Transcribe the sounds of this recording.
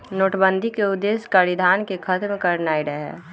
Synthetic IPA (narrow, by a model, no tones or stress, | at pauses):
noːʈbə̃nd̪ʱikeʊd̪ːeːskəɾid̪ʱaːnkekʰət̪mekəɾnaːiɾəɦɦɛ̰ː